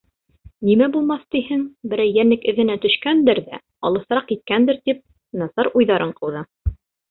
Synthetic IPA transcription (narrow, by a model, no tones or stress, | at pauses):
nimæbulˠmɑθt̪ihɘŋbɘ̆ɾæjːænɘkɘ̆ðɘ̆næt̪ɵ̆ʃkænd̪ɘɾðæ̰ | ɑ̰lˠɤ̆sɾɑqkit̪̚kænd̪ɘɾt̪ip̚ | nɑsɑɾujðɑɾɤɴqʰɤ̆wðɤ